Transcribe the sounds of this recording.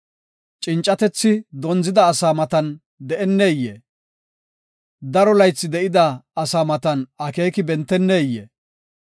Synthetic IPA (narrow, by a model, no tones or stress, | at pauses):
t͡ʃʼɪnt͡ʃʼːɐt̪ɛt͡sːɪd̪ɔnzɪd̪ɐːsaːmɐt̪ɐn | d̪ɛʔɛnːeːjːḛː | d̪ɐɾɔlɐjt͡sːɪd̪ɛʔɪd̪ɐːsaːmɐt̪ɐnɐke̞ːkɪbɛnt̪ːɛnːeːjːḛː